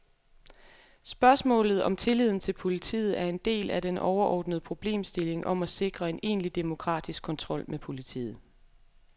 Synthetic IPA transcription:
sb̥ɶɐsmɔ̰̽ːlð̞̩ˠɒ̽mt͡sʰe̝lið̞̰ˠn̩t͡sʰe̝lpʰo̝lit͡sʰḭːð̞̩ˠæɐe̝nd̥e̝̰ːlæd̥enɒʊɐʔɒ̰ːd̥nəð̞̩ˠpʰʁo̝b̥le̝̰ːmsd̥e̝le̝ŋʔɒ̽mæse̝ɡ̥ʁɐe̝ne̝̰ːnlid̥emo̝kʰʁɑ̰̈ːd̥isɡ̥kʰːɒ̽nt͡sʰʁɒ̽l̰mepʰo̝lit͡sʰḭːð̩ˠ

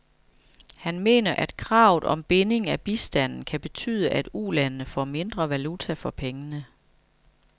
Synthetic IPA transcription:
hænme̝̰ːnɐʔæd̥̚kʰʁɑ̈ʊð̩ˠʔɒ̽mb̥e̝ne̝ŋæb̥isd̥æn̰n̩kʰæb̥e̝t͡sʰy̰ːðˠəʔæd̥ulænnəfɒ̰me̝nd̥ʁɐʋælut͡sʰæfɒ̽pʰeŋənə

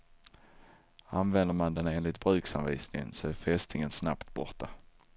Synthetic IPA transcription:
anvɛnd̪əɾmand̪ɛneːnlɪt̪̚bɾʉ̟ːksa̰mviːsnɪŋə̰nsɔæɾfɛst̪ʰɪŋənsnapt̪bɔʁʈ̪ːa

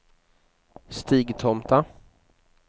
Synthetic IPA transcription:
st̪iːɡt̪ʰɔmt̪a

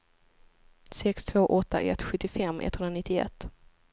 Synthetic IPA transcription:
sɛkst̪ʰvoːʔɔt̪ːa̰ʔɛ̰t̪ːɧɵt̪ːɪfɛmːʔɛ̰t̪hɵnɾanɪt̪ːɪɛ̰t̪ː

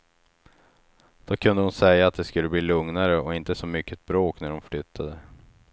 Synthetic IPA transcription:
d̪̥oːkʰɵnd̪əhʊnsɛjːaat̪̚d̪ɛskɵlːəbliːlɵŋnaɾəɔɪnt̪əsɔmʏkːət̪̚bɾoːknæɖɔmflʏt̪ʰːad̪ə

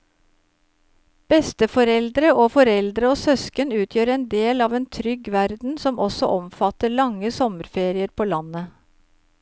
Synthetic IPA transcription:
b̥ɛst̪əfɔɾɛld̪ɾəʔoːfɔɾɛld̪ɾəoːsœskənʉːt̪ʰjøːɾɛːnd̪eːlɑːʋeːnt̪ʰɾʏɡʋæɾd̪n̩sɔmʔɔsɔ̰ʔɔmfɑt̪əɭɑŋəsɔməɾfeːɾɪəɾpʰoːlɑnə

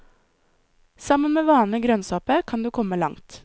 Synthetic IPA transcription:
sɑmənmeːʋɑːnəɡɾœnsɑːpəkʰɑnd̪ʉːkʰɔməlɑ̰ŋt̪

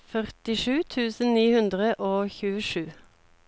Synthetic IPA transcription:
fœʁt̪ɪʃʉːt̪ʰʉːsən̩niːhʉnd̪ʁəʔoːçʉːəʃʉː

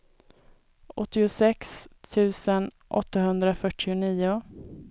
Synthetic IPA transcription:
ʔɔt̪ːɪʊsɛkst̪ʰʉ̟ːsən | ʔɔ̰t̪ːaɦɵnd̪ɾafœʈʰːɪʊniːʊ

